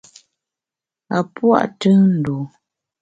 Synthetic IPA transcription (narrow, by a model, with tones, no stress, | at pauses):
a˨pwa̰˦˨ʔtɨ˦n̩˨do˨